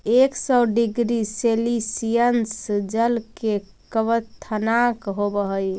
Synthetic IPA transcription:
eksɔɖiɡɾiselisijənsd͡ʒəlke | kəβət̪ʰːənakɦobəɦəj

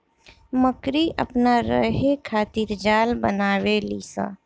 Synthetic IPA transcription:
məkɾiʔə̰pnaɾə̰ɦekʰaːt̪ɪɾd͡ʒaːlbənaːʋeliːsa̰ː

